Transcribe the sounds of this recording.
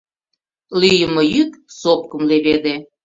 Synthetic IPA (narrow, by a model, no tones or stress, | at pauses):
lyjəməjyksop̚kəmleβed̪e